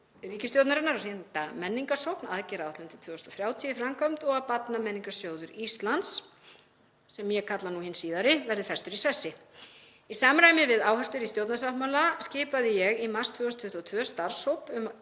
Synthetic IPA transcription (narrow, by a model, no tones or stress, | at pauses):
riːcɪst̪jowt̪naɾɪnːaɾaɾ̥hent̪amɛnːiŋkasowpna̰ðcɛɾawat̪lœʏnt̪ɪ̥t̪ʰvʏːɔst̪ɔθɾjaːwt̪ʰiʏifɾamkʰɔm̥t̪ɔɣapat̪namɛnːiŋkasjoːwðʏɾist̪lans | sɛmjɛkʰat̪lanuhɪnsiːðaɾɪvɛɾðɪθɛst̪ʏɾisɛsːɪ | isaːmɾaːjmɪvɪðaːwhast̪ʏɾist̪jowt̪nasahmawlascɪːpaðɪjɛɣimarst̪ʰvœːɔst̪ʰʏht̪uɔːt̪ʰvœːst̪aɾ̥sowpʏm